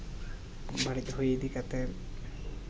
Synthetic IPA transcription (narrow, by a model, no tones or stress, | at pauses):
baɽit̪ɦojed̪ikat̪ɛ